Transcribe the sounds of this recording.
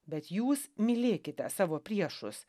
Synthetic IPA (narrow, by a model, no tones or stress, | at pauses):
bʲɛt̪juːsmʲɪlʲeːkʲɪt̪ʲɛsɑːʋoːpʲɾʲiɛʃʊs